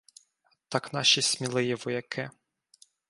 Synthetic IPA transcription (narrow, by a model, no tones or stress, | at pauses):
t̪ɑknɑʃisʲmʲilˠɪjɛʋɔjɐkʰɪ